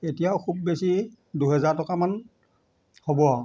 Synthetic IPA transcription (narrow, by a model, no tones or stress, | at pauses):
etijaʊkʰubːesi | duɦɛzaɹtɔkaman | hobɔ